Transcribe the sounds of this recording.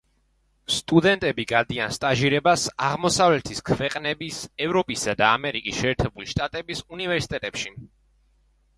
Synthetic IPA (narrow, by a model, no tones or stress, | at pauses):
st̪ʼud̪ɛnt̪ʼɛbiɡad̪ianst̪ʼaʒiɾɛbasaʁmɔsavlɛt̪ʰiskʰvɛqʼnɛbisɛvɾɔpʼisad̪aːmɛɾikʼisʃɛːɾt̪ʰɛbuliʃt̪ʼat̪ʼɛbisunivɛɾsi̥t̪ʼɛt̪ʼɛpʃi